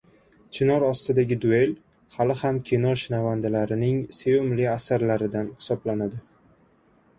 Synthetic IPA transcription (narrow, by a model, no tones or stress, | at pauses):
t͡ʃʰɪnɒɾɒst̪ɪd̪aɡʲɪd̪ʊe̞l | halɪhamkʲʰenɒɾʃɪnavand̪ɪlaɾɪnɪŋsejomlɪasaɾlaɾɪd̪anhɪ̥sɒblanad̪ɪ